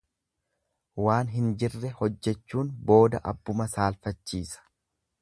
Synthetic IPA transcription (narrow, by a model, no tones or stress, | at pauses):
waːnɦɪnd͡ʒɪrːɛhɔd͡ʒːɛt͡ʃːuːnbo̞ːd̪ɐʔɐ̰bːʊmɐsaːlfɐt͡ʃːiːsɐ̥